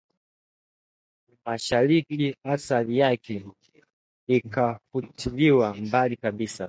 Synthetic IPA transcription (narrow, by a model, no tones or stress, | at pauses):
maʃaɾikiasalijakɛ | ikafutʰiliwambalikaɓisa